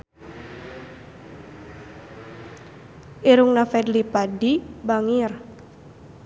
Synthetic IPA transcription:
ʔiɾuŋnafɛdlipadibaŋir

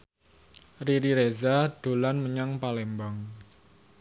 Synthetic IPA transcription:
riɾiɾezaɖ̪̥o̤lanməɲaŋpalembɔŋ

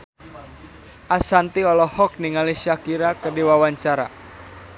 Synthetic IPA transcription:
ʔasant̪iɔlɔhɔk̚niŋalisakiɾakədiwawaɲt͡ʃaɾa̰

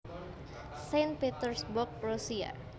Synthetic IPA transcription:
sen̚pet̪ərsbɔk̚rusia̰

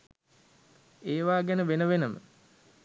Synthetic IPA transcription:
eːʋaːɡænəʋenəʋenəmə̰

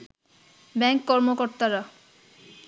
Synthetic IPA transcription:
bɛŋkːɔɾmokoɾt̪aɾa

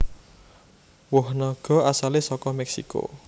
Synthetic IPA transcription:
wʊhnɔɡ̥ɔ̤asalesɔkɔmɛksḭko̰

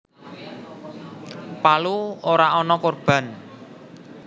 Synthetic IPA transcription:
paluoɾaɔnɔkorb̥ä̤n

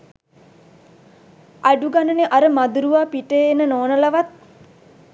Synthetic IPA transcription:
aɖuɡanəneʔaɾəmad̪uɾuʋaːpiʈejenənoːnəlaʋat̪̚

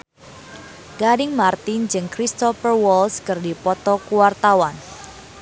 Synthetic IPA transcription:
ɡ̥adɪŋmart̪ind͡ʒɨŋkɾist̪ɔfərwɔlskɨrdipɔt̪ɔkuwart̪awan

